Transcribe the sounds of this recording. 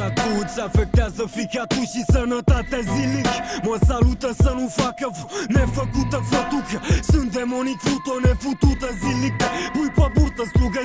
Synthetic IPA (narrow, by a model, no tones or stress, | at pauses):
at̪ud̪safɛk̚t̪azɐfikat̪uʃisɐnɐt̪at̪ɛzilikmɐsalut̪ɐsɐnũfakɐvunɛfɐkut̪ɐfɐt̪ukɐsɨ̃nd̪ɛmɔnikfut̪onɛfut̪ut̪ɐzilik̚ɐmujpɐbuɾt̪ɐspuɣɐ